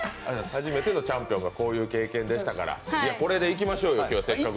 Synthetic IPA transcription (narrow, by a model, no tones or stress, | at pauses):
ɨ̃haʑime̞t̪e̞no̞t͡ɕãmpijõ̞ŋɡako̞ːjɯ̟ːke̞ːkẽ̞nd̪eɕi̥t̪akaɾa̰iako̞ɾe̞d̪e̞ik̬ʲimaɕo̞ːjo̞kʲoːse̞kːak